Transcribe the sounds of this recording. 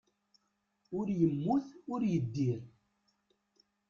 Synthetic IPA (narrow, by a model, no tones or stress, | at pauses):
ʊɾjəmːuθʊɾjəd̪ːiɾ